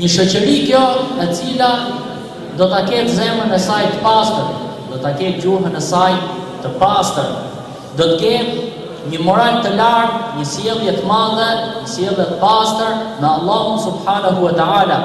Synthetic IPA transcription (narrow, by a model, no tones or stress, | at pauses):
ɲəʃɔt͡ɕəɾikjɔɛt͡sila | d̪ɔt̪akɛt̪zɛmənɛsajt̪ə̥past̪əɾ | d̪ɔt̪akɛt̪̚d͡ʑuɦənɛsajt̪əpast̪əɾ | d̪ɔt̪əkɛn | ɲəmɔɾajt̪əlaɾt̪ɲəsjɛlˠjɛt̪əmaðɛɲəsjɛlˠjɛt̪əpast̪əɾmɛɑlˠːɑɦunsubħanaɦuwət̪əala